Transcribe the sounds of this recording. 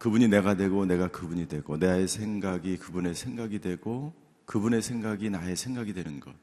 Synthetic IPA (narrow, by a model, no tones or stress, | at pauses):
kɯbuɲine̞ɡadwe̞ɡone̞ɡakɯbuɲidwe̞ɡ̥one̞ae̞sʰe̞ŋɡaɡikɯbune̞sʰe̞ŋɡaɡidwe̞ɡo | kɯbune̞sʰe̞ŋɡaɡinae̞sʰe̞ŋɡaɡidwe̞nɯnɡʌ̰t̚